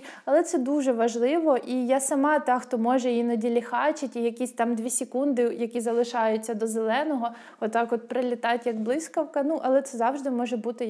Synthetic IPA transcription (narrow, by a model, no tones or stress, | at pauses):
ɐlˠɛt̪sɛd̪uʒɛʋɐʒlˠɪʋɔʔijasɐmɑt̪ɑxt̪ɔmɔʒɛjinɐdʲilʲixɑt͡ʃɪtʲijɐkʲisʲt̪ɑmd̪ʲʋʲisʲɪkund̪ɪjɐkʲizɐlˠɪʃɑjʊt͡sʲːɐd̪ɔzelˠɛnɔɦɔ | ɔt̪ɑkɔt̪̚pɾɪlʲɪt̪ɑtʲjɐɡblˠɪsʲkɐwkɐnuʔɐlˠɛt̪sɛzɑwʒd̪ɪmɔʒɛbut̪ɪ